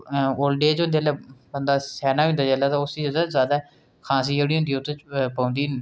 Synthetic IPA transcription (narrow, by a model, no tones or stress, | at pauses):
oːlɖeːt͡ʃɦʊ̃nd̪eːlɛbənd̪aːsɛːnaːɦĩnd̪aːd͡ʒɛːlaːt̪ãːʊsiːd͡ʒəd̪aːzjaːd̪aː | kʰãːs̬iːoːɽĩːʊ̃ːnd̪iot̪ːt͡ʃpãːnd̪iː